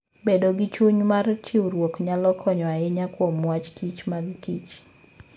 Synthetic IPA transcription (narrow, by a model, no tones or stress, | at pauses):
bedoɡɪt͡ʃuɲmart͡ʃɪwɾwokɲalɔkʰɔɲɔaɪɲakwomwat͡ʃkit͡ʃmaɡɪkit͡ʃ